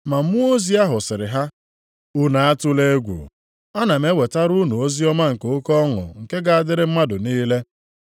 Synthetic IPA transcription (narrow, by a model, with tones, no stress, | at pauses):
ma˨m̩˦mu˦o˦zi˦a˦ɦʊ˨sɪ˨ɾɪ˨ɦa˦ | u˦na˨a˦tʊ˦le˦ɡʷṵ˨ | a˦na˨me˦we˨ta˦ɾu˦nu˨o˦zi˦ɔ˦ma˦ŋ̩˨ke˨o˦kɔ˦ŋʊ̰˨ŋ̩˨ke˦ɡa˨a˨dɪ˦ɾɪ˦m̩˦ma˦dʊ˨niː˦le˦